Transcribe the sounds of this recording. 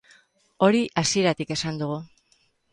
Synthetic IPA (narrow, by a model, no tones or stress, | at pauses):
o̞ɾiʔasie̞ɾat̪ike̞sand̪uɣ̞u